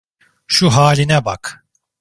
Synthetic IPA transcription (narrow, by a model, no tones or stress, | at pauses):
ʃuɦaːlʲinɛbak